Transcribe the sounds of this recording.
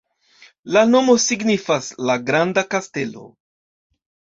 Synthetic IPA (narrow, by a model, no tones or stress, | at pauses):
lano̞mo̞siɡnifaslaɡɾandakaste̞lo̞̰